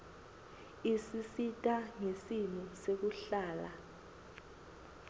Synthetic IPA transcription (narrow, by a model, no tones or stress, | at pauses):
isisitʼaŋesinusek̬uɬaːla